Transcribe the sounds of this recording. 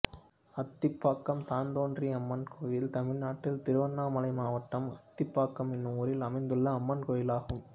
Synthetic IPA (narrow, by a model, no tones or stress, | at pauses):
ɐt̪ːɪpːaːkːɐmt̪aːnd̪oːndriɐmːɐnkʰoːjɪlt̪ɐmɪɭnaːʈːɪlt̪ɪɾɯʋɐnːaːmɐlɐɪmaːʋɐʈːɐmɐt̪ːɪpːaːkːɐmɛnːɯmʊːɾɪlɐmɐɪnd̪ɯɭːɐːmːɐnkoːjɪlaːɣɯm